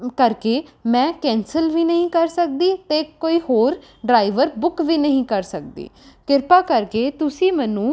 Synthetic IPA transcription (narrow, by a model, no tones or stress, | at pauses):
kəɾkeːmɛ̃ːkɛ̃ːnsəlʋiːnəɦĩːkəɾsək̚d̪iːt̪eːkoːiːhoːɾ | ɖɾaːiʋəɾbʊkʋiːnəɦĩːkəɾsək̚d̪ḭːkɪɾpaːkəɾkeːt̪ʊsĩːmɛːnũː